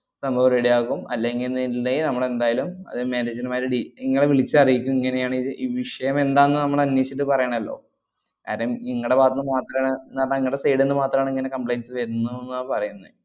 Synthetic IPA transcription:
sɐmbʱɐʋɾeɽijaːkːumɐ̰lːeŋɡilnilːenɐmːɐɭe̞nd̪aːjalumɐ̰ðɨmeːneːd͡ʑɐnumaːjiɾɨɖiiŋːɐɭʋiɭit͡ɕːɨɐrijikʲːumiŋːɐne̞jaːɳiiːʋiʂɐjɐme̞nd̪aːnːɨnɐmːɐɭɐnjet͡ɕːiʈːɨpɐrɐjaɳɐmɐlːo̞̰ː | ka̰ːɾɐjumiŋːɐɽepaːt̪ːɐnːɨmaːt̪rɐɳnaːnaiŋːɐɽesejɽenːɨmaːt̪rɐmaːɳiŋːɐnekɐmpɭejnsɨʋeɾunːuenːuaːpɐrɐjunːɐ

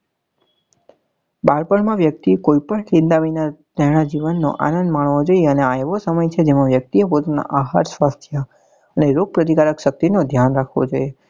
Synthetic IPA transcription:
baɾpəɳmãʋjək̚t̪ikoipəɳkĩnd̪aʋinad̪əɽ̃ad͡ʒiʋənːo̰ʔa̰nənd̪maɳ̃ʋod͡ʒojeəneaeʋosəməjt͡ʃʰed͡ʒemãʋjək̚t̪iəpot̪nã̰ʔaɦaɾsʋast̪ʰjə | əneɾoɡ̚pɾət̪ikaɾəkʃək̚t̪inod̪ʱjanɾakʰʋo̰d͡ʒoje

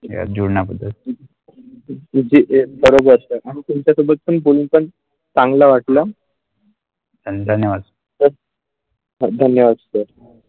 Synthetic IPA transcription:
ja̰d͡ʑuɽɳapəd̪ʱːət̪ | d͡ʑiːʔebəɾobəɾtəʔaɽ̃it̪umt͡ɕjasobət̪̚pəɳpolunpəɳ | t͡sãŋɡlaʋaʈla | d̪ʱəd̪ʱənjəʋad̪ | səɾ | ɦd̪ʱənjəʋad̪səɾ

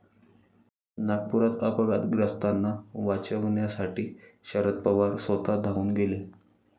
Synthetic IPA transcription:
nak̚puɾat̪apəɡat̪ɡɾəst̪anːaʋat͡ɕəʋɳjasaʈiːɕəɾət̪̚pəʋaɾsʋət̪ad̪ʱauːnɡele

